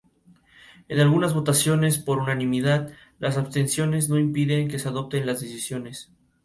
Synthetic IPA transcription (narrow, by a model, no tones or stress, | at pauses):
enalɣunazβo̞t̪asjo̞ne̞spo̞ɾunanĩmiðað | lʔas̬aβst̪e̞nsjo̞ne̞zno̞impiðe̞ŋke̞seaðo̞p̚t̪e̞nlazðesisjo̞ne̞s